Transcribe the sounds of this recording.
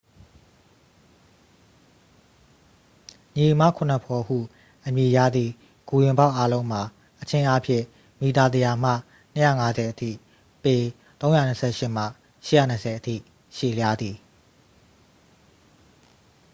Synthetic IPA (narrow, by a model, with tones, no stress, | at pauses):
ɲi˨mä̰˦˨kʰʊ̃˨nə˨pʰɔ˨hṵ˦˨ | ʔəmji˨ja̰˦˨d̪ði˨ | ɡ̥u˨jɪ̃˨mba˦˨ʔa˦lõ˦ʊ̃m̥a˨ | ʔət͡ɕʰɪ̃˦ʔa˦pʰjɪ̰̃˦˨ | mi˨t̪a˨d̪ə˨ja˨m̥ä̰˦˨ | n̥ə˦ja̰˦˨ŋa˦zɛ˨ʔətʰḭ˦˨ | pe˨ | t̪õ˦ʊ̃ja˦˨nə˨sʰɛ̰˦˨ʃɪ˦˨m̥a̰˦˨ | ʃɪ˦˨ja̰˦˨nə˨sʰɛ˨ʔətʰḭ˦˨ | ʃe˦˨lja˦d̪i˨